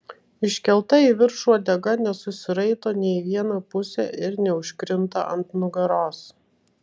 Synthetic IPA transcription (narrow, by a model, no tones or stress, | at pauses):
ɪʃʲkʲɛlˠt̪ɐiːʋʲɪɾʃuɔd̪ʲɛɡɐnʲɛsʊsʲɪɾɐɪt̪oːnʲɛɪʋʲiɛnɐpʊsʲɛ̰ʔɪɾnʲɛʊʃʲkɾʲɪmt̪ɐ̰ʔɐnt̪nʊɡɐɾoːs